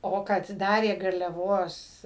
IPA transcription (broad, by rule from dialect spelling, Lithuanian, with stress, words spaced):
ˈoː kɐt ˈdɑːrʲeː ɡɐrʲlʲɛˈʋoːs